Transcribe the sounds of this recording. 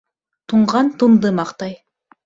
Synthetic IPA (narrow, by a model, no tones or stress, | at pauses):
t̪ʰuɴʁɑnt̪ʰumd̪əmɑqt̪ɑj